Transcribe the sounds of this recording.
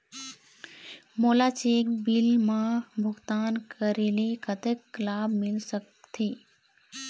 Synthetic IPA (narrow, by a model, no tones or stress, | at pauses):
moːlaːt͡ʃeːkbɪlmãbʱʊɡt̪aːnkəɾiːlikət̪əkːlaːbmɪlsək | t̪ʰiː